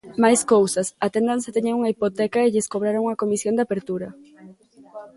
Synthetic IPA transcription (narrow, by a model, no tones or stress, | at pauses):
majskowsɐsat̪end̪ansat̪eɲaŋuŋaipot̪ɛkaeʎeskoβɾaɾoŋuŋɐkomisjond̪apeɾt̪uɾɐ